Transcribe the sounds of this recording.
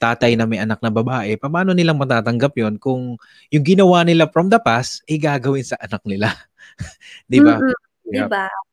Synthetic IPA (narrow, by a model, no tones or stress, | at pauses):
t̪aːt̪ɐjnɐmɐjʔɐnak̚nɐbɐbaːʔɛpɐpaːno̞nɪlaŋmɐt̪aːt̪ɐŋɡap̚jo̞nkʊŋ | jʊŋɡɪnɐwaːnɪlafɾɐmd̪ɐpast̪ʔɛjɡaːɡɐwɪnsɐʔɐnak̚nɪla | d̪ɪba | ba